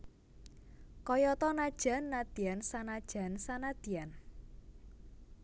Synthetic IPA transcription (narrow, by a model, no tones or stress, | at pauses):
kɔjɔt̪ɔnad̥ʒ̥a̤nːad̪̥iansanad̥ʒ̥a̤nsanad̪̥i̤an